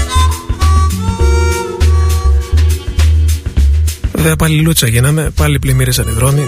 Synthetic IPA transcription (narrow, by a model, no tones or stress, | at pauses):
ðepɐlilut͡sɐʝinɐme̞pɐliplimiɾisɐniðɾo̞ni